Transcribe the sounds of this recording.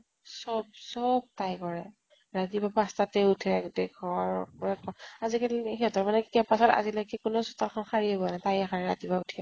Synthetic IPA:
sɔb̚sɔb̚tajkɔɹɛ | ɹatibapastatɛutʰɛdekʰɔaɹkɔɹɛkɔazikalxɛɔtɔɹmanɛkkɛpasɔta̰zilajkɛkʊnɔsutalkʰɔnxaɹiebɔanatajɛxaɹɛɹatibautʰiɛ

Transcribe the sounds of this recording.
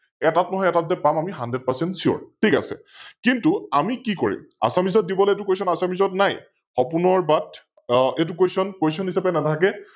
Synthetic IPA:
ɛtatnɔɦɔjɛtatzɛpamamiɦandɛd̚pasɛntsiɔ̰ɹtʰika̰sɛ̰ | kintuamikikoɹḭma̰samizɔt̚dibɔlɛɛt̬ukesɔnasamizɔtnaj | xɔpunɔɹbat | et̬ukojsɔnkejsɔnhisapɛnatʰak̬ɛ

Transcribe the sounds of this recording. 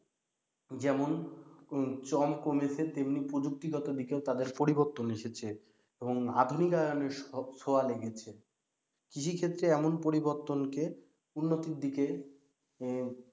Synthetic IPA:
d͡ʑɛmon | t͡ɕɔmkomet͡ɕʰet̪emnipɾod͡ʑuk̚t̪iɡɔt̪od̪ikeot̪ad̪eɾpoɾiboɾt̪ːoneʃet͡ɕʰe | eboŋa̰d̪ʱunikaoneɾsoaleɡet͡ɕʰe | kit͡ɕʰikʰet̪ːɾeɛmonpoɾiboɾt̪onke | unːot̪iɾd̪ike

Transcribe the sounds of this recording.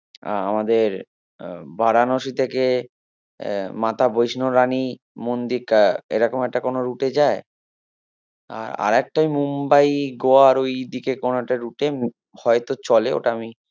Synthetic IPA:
a̰a̰mad̪eɾ | baɾanoʃit̪ʰeke | mat̪ʰabojʃnoɾani | mond̪iɾkaḛɾɔkomɛk̚ʈakonoɾuʈed͡ʑae | a̰ɾa̰ɾɛk̚ʈajmumbajɡoaɾojd̪ikekonoɛk̚ʈaɾuʈe | hɔet̪ot͡ɕɔleo̰ʈaami

